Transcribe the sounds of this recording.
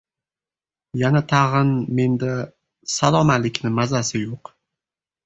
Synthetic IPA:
janat̪ʰaʁɨnme̞nd̪a | salˠɒmalɪkʲnɪmazasɪjoq

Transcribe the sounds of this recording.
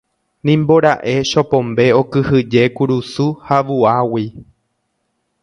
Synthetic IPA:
nĩmboɾaʔe̞ʃo̞põ̞mbe̞o̞kɨhɨd͡ʒe̞kuɾusuhaʋuawi

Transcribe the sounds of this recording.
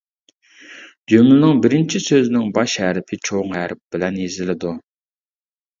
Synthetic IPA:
d͡ʒømlɪnɪŋbɪɾɪnt͡ʃʰisøznɪŋbɑʃhɛɾɪpʰɪt͡ʃʰoŋɦɛɾɪp̚b̥ɪlɛnjezɪlɪd̪u

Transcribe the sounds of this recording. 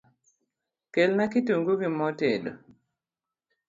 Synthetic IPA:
kelnakituŋɡuɡimɔtedo

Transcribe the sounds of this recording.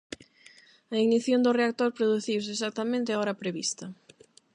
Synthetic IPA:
ɐiɣniθjond̪ʊreakt̪oɾpɾoðuθiwsɪːs̬ak̚t̪ɐmẽnt̪ɪaɔɾɐpɾeβist̪ɐ

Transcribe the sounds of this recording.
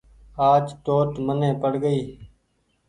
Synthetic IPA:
aːt͡ʃt̪oːt̪mənẽːpəɽɡəiː

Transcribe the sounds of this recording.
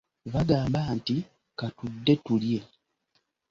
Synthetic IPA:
βaɡaːmbaːnti | katudːe̞tulje̞

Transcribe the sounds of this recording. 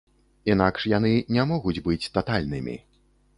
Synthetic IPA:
inakʂjan̪ɨnʲɛmɔɣud͡zʲbɨt͡sʲt̪at̪alʲnɨmʲḭ

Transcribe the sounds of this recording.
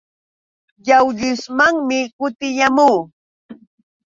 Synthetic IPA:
jawʎʊsmaŋmɪkʊt̪ɪʎamuː

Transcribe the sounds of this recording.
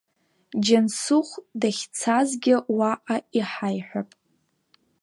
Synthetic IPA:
d͡ʒansuχʷdaχʲt͡sʰazɡʲɪwaʔʼaiħajħʷᶣapʼ

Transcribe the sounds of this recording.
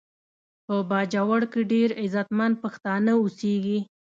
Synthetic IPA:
pəbɑd͡ʒawaɽkeɖeɾɪzat̪man̚paxt̪ɑnəuseɡi

